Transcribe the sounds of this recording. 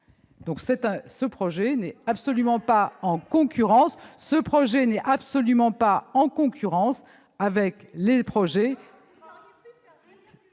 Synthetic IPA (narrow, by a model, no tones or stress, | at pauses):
d̪ɔ̃ksɛt̪ɛ̃səpχɔʒɛnɛapsɔlymɑ̃paɑ̃kɔ̃kʲyʁɑ̃sːəpχɔʒɛnɛapsɔlymɑ̃paɑ̃kɔ̃kʰʲyʁɑ̃s | avɛklepχɔʒɛ